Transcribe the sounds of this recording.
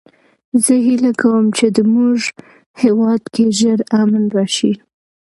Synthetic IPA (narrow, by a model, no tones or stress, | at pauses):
zəɦilakawəmt͡ʃed̪əmuʒ | hewɑd̪keʒəɾamnɾɑʃi